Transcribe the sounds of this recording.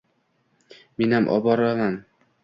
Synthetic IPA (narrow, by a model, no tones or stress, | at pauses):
menhamʔɒ̰bɒɾaman